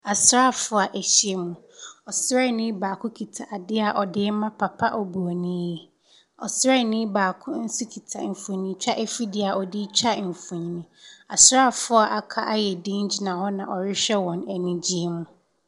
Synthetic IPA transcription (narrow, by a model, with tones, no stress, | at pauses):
a˨sɾa˦˨fʊ˦a˨ʔɛ˨ɕi˦e˦mũ˨ | ɔ˨sɾɛ˦˨nĩ˦baː˨kʰʊ̃˦kʰi˨tʰa˨ʔa˨dɪ˦a˨ʔɔ˨dɪ˦mã˦pʰa˨pʰa˦ʔɔ˨bu˨o˨nĩ˦jɛ˨ | ɔ̰˨sɛ˦˨nĩ˦baː˨kʰʊ̃˦n̩˦su˦kʰi˨tʰa̰˨m̩˨fũ˨ɲ˨nĩ˦t͡ɕᶣa˦ʔɛ˦fi˦dɪ˦a˨ʔɔ˨dɪ˦t͡ɕᶣa˦m̩˨fũ˨ɲĩ˨nĩ˨a˨sɾa˦˨fʊ˦a˨ʔa˨kʰa˦ʔa˦jɛ˨dĩ˦n˦d͡ʑi˨nã˨hɔ˦nã˨ʔɔ˨ɾɪ˦ɕᶣɛ˦wɔ̃˨nɛ˨nĩ˦d͡ʑi˦e˦mũ˦